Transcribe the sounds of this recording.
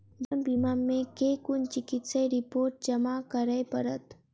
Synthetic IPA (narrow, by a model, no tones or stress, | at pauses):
d̪əmbimamẽkeːkʊnt͡ʃɪkɪt̪seɾɪpoːɾʈ̚d͡ʒɐmakəɾəepəɾət̪